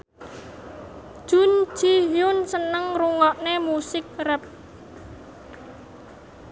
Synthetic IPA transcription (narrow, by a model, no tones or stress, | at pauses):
ʒ̥un̥t͡ʃiɦjʊnsənəŋruŋɔʔnemusɪk̚rɛp̚